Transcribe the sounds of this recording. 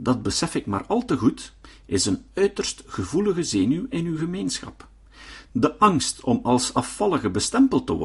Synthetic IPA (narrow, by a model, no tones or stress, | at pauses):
dɑd̚bəsɛfɪkma̰ːrɑlˠtəɣutɪzənœɥtərstxəvuləɣəzeːnyɪnywɣəmeːnsxɑ̰p | dəʔɑŋstɔmɑlˠsɑfːɑlˠəɣəbəstɛmpəlˠtə̰wɔ̰r